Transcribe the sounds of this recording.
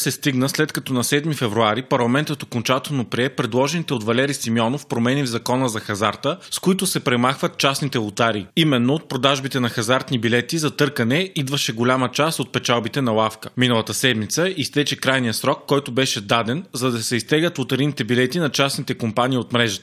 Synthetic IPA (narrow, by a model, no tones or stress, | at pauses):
sɛst̪iɡnəslɛt̪kɐt̪ɔnɐsɛd̪mifɛvɾuaɾipɐɾlˠɐmɛnt̪ət̪okont͡ʃat̪ɛlˠnopɾiɛpɾɛd̪lˠɔʒɛnit̪ɛot̪vɐlɛɾisimiɔnofpɾomɛnivzɐkɔnəzɐxɐzaɾt̪əskoit̪ʊsɛpɾɛmaxvət̪̚t͡ʃasnit̪ɛʊt̪aɾiːimɛnːoot̪̚pɾod̪aʒbit̪ɛnɐxɐzaɾt̪nibilɛt̪izɐt̪ɤɾkɐnɛid̪vəʃɛɡolʲamət͡ʃast̪ot̪̚pɛt͡ʃalˠbit̪ɛnɐlˠafkəminəlˠɐt̪əsɛd̪mit̪səist̪ɛt͡ʃɛkɾajnijəsɾɔkːɔjt̪obɛʃɛd̪ad̪ɛnzɐd̪ɐsɛist̪ɛɡət̪ot̪ɐɾinit̪ɛbilɛt̪inɐt͡ʃasnit̪ɛkompaniːot̪mɾɛʒɐt̪ə̥